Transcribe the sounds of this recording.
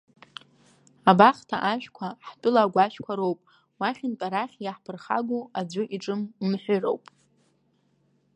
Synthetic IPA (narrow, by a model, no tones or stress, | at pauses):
abaχtʰa̰ʔaʃᶣkʷʰaħpʼʊlaɡʷaʃᶣkʷʰaɾowpʼ | waχʲɪnpʼaɾaχʲjaħpʰɨrχa̰ɡʷuad͡zʷʊʔiʈ͡ʂʼɨmmħʷᶣʏro̰wpʼ